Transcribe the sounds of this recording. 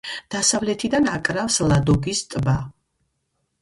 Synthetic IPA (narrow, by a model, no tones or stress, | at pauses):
d̪̥asavlɛt̪ʰid̪anakʼɾafslˠad̪ɔɡist̪ʼba